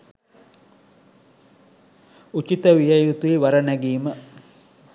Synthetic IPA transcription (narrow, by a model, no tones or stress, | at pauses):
ut͡ʃit̪əʋijəjut̪uiʋaɾənæɡiːmə